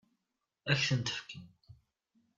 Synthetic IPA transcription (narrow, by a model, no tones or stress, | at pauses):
æçθənt̪ə̥fkim